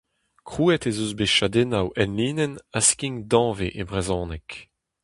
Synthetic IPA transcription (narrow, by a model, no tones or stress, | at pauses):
kʁuːɛt̪ezozbeʃad̪enawʔɛnliːnɛnaskʲiŋd̪ɑ̃ːveʔebʁezɔ̃ːnɛk